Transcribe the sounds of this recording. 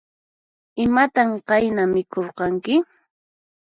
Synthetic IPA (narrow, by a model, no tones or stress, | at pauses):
ɪmat̪amqɑjnamɪkoɾqɑŋkɪ